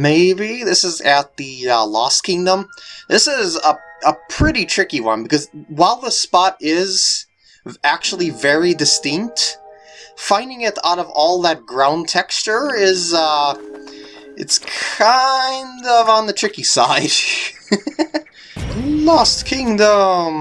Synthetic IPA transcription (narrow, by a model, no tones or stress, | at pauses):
meɪbiðɪsɨzɨt̪̚ðɨʌlɔskʰɪ̃ŋdə̃mðɪsɪzəəpʰɹ̥ɪɾitʰɹ̥ɪkiwʌ̰̃nbɨkʌzwaɪlˠðəspɑɾɪz | æk̚t͡ʃul̩ˠivɛɹidɨstɪ̃ŋk̚t | fãɪ̃ndɪ̃ŋɪɾa̰ʊɾʌvɔlˠðət̚ɡ̥ɹãʊ̃ntʰɛkst͡ʃə˞ɪzʌ | ɨ̰tskʰaɪ̃ndʌvn̩ðɨtʰɹ̥ɪkisaɪd̥ | lɔskʰɪ̃ŋdə̃m